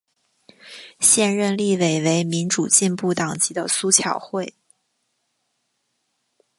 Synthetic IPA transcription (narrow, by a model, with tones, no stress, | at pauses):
ɕjɛ˥˧nɻə˥˧nli˥˩we˨˩ɪwe˧˥ɪmi˧˥nʈ͡ʂu˨˩t͡ɕi˥˧npu˥˩t̪ɑ˨˩ŋt͡ɕi˧˥d̪ə˧su˥t͡ɕʰjɑ˨˩ʊxwe˥˩ɪ